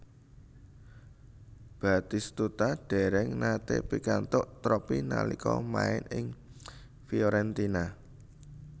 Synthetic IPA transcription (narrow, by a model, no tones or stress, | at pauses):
b̥a̤t̪ist̪ut̪aɖ̥ɛ̤ɾɛŋnat̪epikant̪ʊʔt̪ɾɔpina̰likɔma̰ɪnɪŋ | fioɾɛnt̪ina